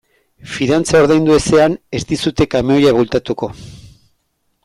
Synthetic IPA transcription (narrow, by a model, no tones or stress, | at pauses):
fiðant͡sao̞ɾðajnd̪ue̞se̞ane̞st̪isut̪e̞kameojaβult̪at̪uko̞